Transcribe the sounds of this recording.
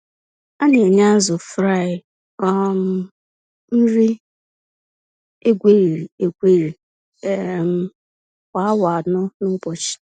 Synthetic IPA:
a˦ne˨ɲa˦a˦zʊ˨fɾa˦˨ɪ˨ | ɔ˦m̩˦ | n̩˦ɾi˦ | e˦ɡʷe˦ɾi˨ɾi˨e˦˨ɡʷe˦ɾi˨ | e˦˨m̩˦ | kʷa˨a˦wa˨a˨nʊ˦nʊ˦kɔ˨t͡ʃɪ̥˨

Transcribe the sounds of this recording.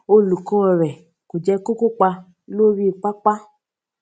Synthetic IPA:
o˧lu˨kɔ˦˨ɾɛ˨ | ko˨d͡ʒɛ˧ko˦ko˦k͡pa˧ | lo˦ɾi˦˨k͡pa˦k͡pa˦

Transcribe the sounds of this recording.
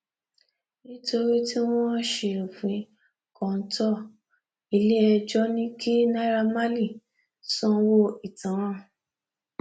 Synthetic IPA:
nĩ˦to˧ɾi˦ti˦w̃ɔ̃˦ʃe˨fĩ˨˦ | kɔ̃˨˧˨n̩˦tɔ˦˨ | i˧le˦ɛ˧d͡ʒɔ˦nĩ˦kʰi˦na˦ɾa˧ma˦li˦˨ | sɔ̃˦wo˦i˨tã˨˦ɾã˦˨

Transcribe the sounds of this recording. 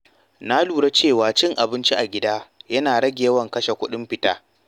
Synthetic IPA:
na˦luː˨ɽe˦t͡ʃeː˦˨waː˨t͡ʃɪ˦ŋʔa˨bɪ˦nt͡ʃi˦ʔa˨ɡʲɪ˦daː˦jɐ˦naː˨ɽɐ˦ɡʲe˨˦wɐ˨ŋkɐ˦ʃe˨kʷʊ˦ɗɪ˦mɸɪ˦taː˦

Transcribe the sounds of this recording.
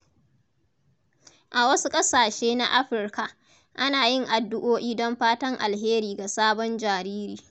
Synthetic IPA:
ʔa˨wɐ˦su˦kʼɐ˦saː˨ʃeː˦na̰˦ʔa˦ɸɪ˨rka˨ʔ | ʔa˦naː˨jɪ˦˨ŋʔa˨dːʊ˦ʔoː˦ʔiː˦dɔ˦mɸaː˦tɐ˦ŋʔa̰˨lɦeː˦ɾiː˨ɡa˨saː˦bɔ˦nd͡ʒaː˨ɾiː˦ɾiː˨

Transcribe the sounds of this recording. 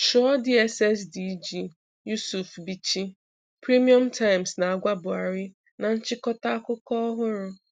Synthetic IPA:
ʃʊ˨˦ɔ˦di˦ɛ˦sɛ˦sdi˦d͡ʒi˦ | ju˦su˨fbi˦t͡ʃi˦ | pɾi˦mi˦ɔ˦mtʰa˦ɪ˨msna˨a˨ɡʷa˦bʊ˨a˨ɾɪ˦ | na˨n̩˦t͡ʃɪ˦kɔ˦ta˦a˦kʊ˦kɔ˦ɔ˦ɦʊ˦ɾʊ˦

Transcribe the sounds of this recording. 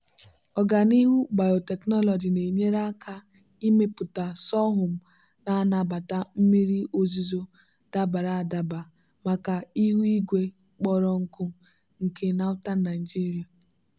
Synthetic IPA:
ɔ˨ɡa˨ni˦ɦu˦ba˨jo˨te˨knɔ˦lɔ˨d͡ʒi˨ne˨ɲe˦ɾa˦kʰa˦ | i˦me˦pʊ˨ta˨sɔ˦ɦʊ˨m̩˨ | na˦na˨ba˨ta˦m̩˦mi˦ɾi˦ʔo˨zi˦zo˦ | d̥a˦ba˨ɾa˨a˨da˨ba˨ | ma˨ka˨i˦ɦu˦i˦ɡʷe˦ | k͡pɔ˦ɾɔ˦ŋ̩˦kʊ˦ | ŋ̩˨kʰe˦na˦ʊ˦ta˦n˦a˨i˨d͡ʒi˦ɾi˨a˨

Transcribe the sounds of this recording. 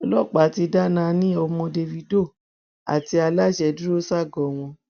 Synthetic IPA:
ɔ˧lɔ˦˨k͡pa˨˦ti˧da˦nã˧nĩ˦ɔ˧mɔ̃˧de˧vi˧do˦˨ | a̰˨ti˧a˧la˦˨ʃɛ˧du˦ɾo˦sa˦˨ɡɔ˨w̃ɔ̃˧

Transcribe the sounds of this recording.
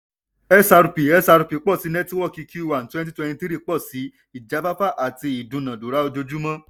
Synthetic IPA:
ɛ˦sa˧ɾu˨˧pi˨ɛ˦sa˧ɾu˧˨pi˨k͡pɔ˦˨si˨˦nɛ̃˦ti˦wɔ˦˨ki˧ki˦i˦˨wa˨n̩˨twɛ̃˦ti˦twɛ˧ñĩ˧ti˦ɾi˦˨k͡pɔ˦˨si˨˦ | i˦˨d͡ʒa˨˦ba˦fa˦˨ʔa˨ti˧i˨dũ˧˨nã˨du˨ɾa˨˦o˧d͡ʒo˧d͡ʒu˦mã˦

